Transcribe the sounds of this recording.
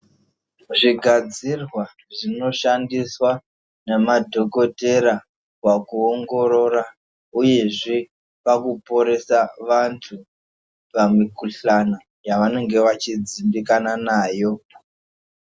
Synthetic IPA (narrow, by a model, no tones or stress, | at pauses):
ʐiɡʱad͡zirwa | ʐino̞ʃandiswa | nemadʱo̞ko̞te̞ɾa | kwakuoŋɡo̞ɾo̞ɾa | uje̞ʐe | pakupo̞ɾe̞saʋantʰu | pamikuɬana | jaʋane̞ŋɡe̞ʋat͡ʃid͡zimbikananaːjo̞